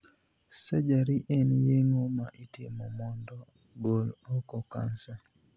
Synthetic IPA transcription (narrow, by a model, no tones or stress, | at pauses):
sɛd͡ʒaɾiʔenjeŋoma̰ʔitɪmɔmɔndɔ | ɡolɔkɔka̰nsa